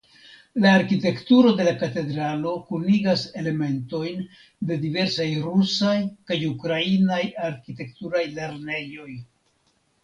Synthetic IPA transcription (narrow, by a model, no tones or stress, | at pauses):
laːɾkite̞ktuɾo̞de̞lakate̞d̪ɾalo̞kuniɡase̞le̞me̞nto̞jn | de̞dive̞ɾsajɾusajkajukɾainajaɾkite̞ktuɾajle̞ɾne̞jo̞j